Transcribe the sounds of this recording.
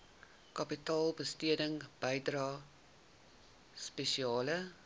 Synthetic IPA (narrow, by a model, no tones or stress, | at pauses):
kɐpitɑːlˠbəstiədəŋb̥əjdrɑː | speʃiɑːlə